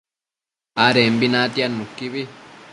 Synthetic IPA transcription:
aɾeːmbinatianːukːiβi

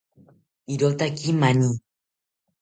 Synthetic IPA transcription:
iɾot̪akimaɲi

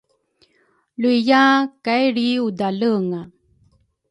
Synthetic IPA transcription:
luijakajɾiudaləŋa

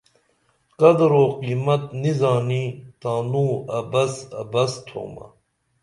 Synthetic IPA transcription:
qɐd̪ɾoːqiːmɐt̪nizaːnit̪aːnuɐbɐsɐ̰bɐst̪ʰo̰ːmɐ̰

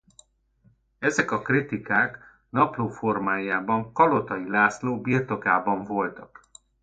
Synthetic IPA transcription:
ɛzɛkɒkrit̪ikaːk | nɒploːfo̞rmaːjaːbɒŋkɒlo̞t̪ɒjilaːsloːbiːrt̪o̞kaːbɒɱvo̞lt̪ɒk

